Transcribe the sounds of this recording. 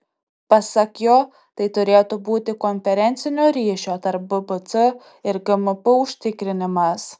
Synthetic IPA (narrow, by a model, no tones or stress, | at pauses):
pɐsɐkʲjoː | t̪ɐɪt̪ʊɾʲeːt̪ʊbuːt̪ʲɪkɔnʲfʲɛɾʲɛnʲt̪sʲɪnʲoːɾʲiːʃʲoːt̪ɐɾp̚bəbət̪sɨ | ɪɾɡɐməpəʊʃʲt̪ʲɪkɾʲɪnʲɪmɐs